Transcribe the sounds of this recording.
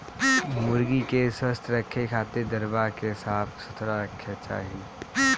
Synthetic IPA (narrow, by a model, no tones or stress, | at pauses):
mʊɾɡikesəst̪ʰɾəkʰːekʰaːt̪ed̪əɾbakesaːt̪ʰsʊt̪ʰɾaɾəkʰːet͡ʃa̰ːɦie